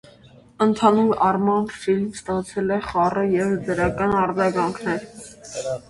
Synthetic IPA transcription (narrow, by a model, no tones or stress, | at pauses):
ənt̪ʰɑnuɾɑrmɑnfilmst̪ɑt͡sʰɛlɛχɑrəjɛvd̪əɾɑkɑnɑɾd͡zɑɡɑŋkʰnɛɾ